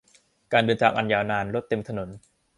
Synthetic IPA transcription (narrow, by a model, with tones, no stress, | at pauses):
kaː˧ndɤː˧nt͡ɕʰaː˨˩ʔa˧njaː˧wnaː˧nɾo˦˥t̪ːe˧mt̪ʰa˧no˩˦n